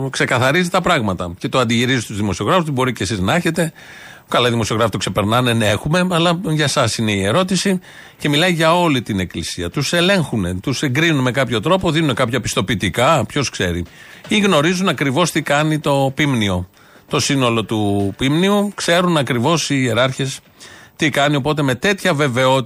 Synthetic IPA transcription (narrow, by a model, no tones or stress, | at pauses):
kse̞kɐθɐɾizit̪ɐpɾɐɣmɐt̪ɐce̞t̪oɐnd̪iʝiɾizist̪uzðimo̞sio̞ɣɾɐfust̪bo̞ɾicesiznɐeçe̞t̪e̞ | kɐlɐðimosio̞ɣɾɐfit̪okse̞pe̞ɾnɐnenexume̞ɐlɐʝɐsɐsine̞ie̞ɾo̞t̪isi | ce̞milɐiʝɐo̞lit̪ine̞klisiɐt̪use̞le̞ŋxune̞t̪use̞ŋɡɾinunme̞kɐpço̞t̪ɾo̞po̞ðinunekɐpçɐpi̥st̪o̞pit̪ikɐpço̞skse̞ɾḭiɣno̞ɾizunɐkɾivo̞st̪ikɐnit̪o̞pimnio̞ | t̪o̞sino̞lo̞t̪upimniukse̞ɾunɐkɾivo̞sie̞ɾɐɾçe̞s | t̪ikɐnio̞po̞t̪̬e̞me̞t̪e̞t̪çɐve̞ve̞o̞